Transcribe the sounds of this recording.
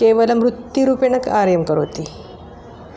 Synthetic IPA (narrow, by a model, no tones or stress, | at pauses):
keʋəlamɾut̪jiɾuːpenəkaɾjəmkəɾɦot̪i